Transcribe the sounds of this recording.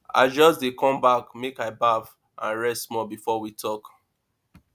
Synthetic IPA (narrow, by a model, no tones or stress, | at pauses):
a̰ɪd͡ʒɔs̬dekʰɔ̃mbakmekaɪbav | ʔã̰nɹɛsmɔbifɔwitʰɔk